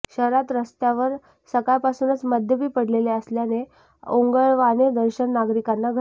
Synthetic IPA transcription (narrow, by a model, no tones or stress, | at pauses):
ɕəɾat̪ɾəst̪jaʋəɾ | səkajpasuːnət͡sməd̪ʱjəbiːpəɽleleəsljane | oŋɡəɭʋaned̪əɾɕənːaɡɾikanːaɡʱə